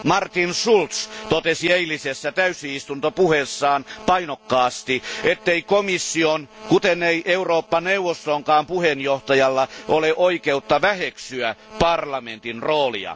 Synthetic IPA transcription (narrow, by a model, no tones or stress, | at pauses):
mɑrt̪insult̪st̪ot̪esieilisesːæt̪æysiist̪unt̪opuhesːɑːnpɑinokːɑːst̪iet̪ːeikomisːionkut̪eneiʔeuroːpːɑneuʋːost̪oŋkɑːmpuhenjoht̪ɑjɑlːɑʔoleʔoikeut̪ːɑʋæheksyæpɑrlɑment̪inroːlḭɑ̰